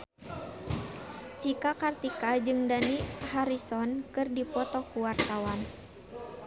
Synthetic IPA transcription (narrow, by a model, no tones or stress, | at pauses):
t͡ʃikakart̪ikad͡ʒɨŋdanihaɾisɔnkɨrdipɔt̪ɔkuwart̪awan